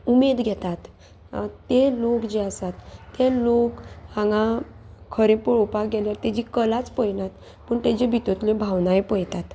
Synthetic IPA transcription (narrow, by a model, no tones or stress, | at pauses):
umed̪ɡʱɛt̪at̪ː | elokd͡ʑeasat̪ːelokhãŋɡã | kʰəɾẽpəɭopakɡɛljaɾt̪ed͡ʑikəlat͡spəjnat̪ | pəɳt̪ed͡ʑebʱit̪ot̪lẽbʱawnaepəjt̪at̪